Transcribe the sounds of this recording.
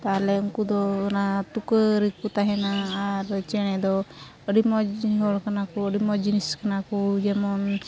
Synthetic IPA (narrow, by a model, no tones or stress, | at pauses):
t̪aɦlɛuŋkud̪ɔnat̪ukəɾik̚kut̪aɦɛnaːɾt͡ʃɛɽ̃ɛd̪ɔ | əɖimɔɦɔɭkanakɔəɖimɔd͡ʒiniskanakud͡ʒɛmɔn